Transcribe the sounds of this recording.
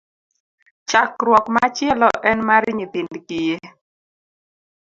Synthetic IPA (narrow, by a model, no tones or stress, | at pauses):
t͡ʃakɾwɔkmat͡ʃjɛlɔʔɛnmaɾɲit̪indkije